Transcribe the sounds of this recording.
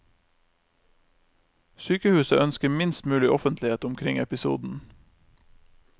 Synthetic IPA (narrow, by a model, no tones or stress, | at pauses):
syːkəhʉːsə̰ʔœnskəmɪnst̪mʉːlɪʔɔfənt̪lɪheːt̪ʊmkʰɾɪŋɛpɪsṵːd̪n̩